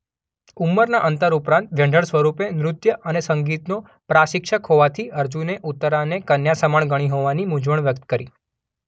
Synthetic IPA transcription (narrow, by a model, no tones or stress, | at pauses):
umːəɾnaʔənt̪əɾupɾãnt̪ʋjə̃ɳɖʱəɽsʋəɾupenɾʊt̪jəʔənesəŋɡit̪no | pɾaʃɪkʃəkɦoʋat̪ʰiəɾd͡ʒũneʔut̪ːəɾanekənjasəmaɳɡəɽ̃iɦoʋanimud͡ʒʋəɳʋjək̚t̪kəɾḭ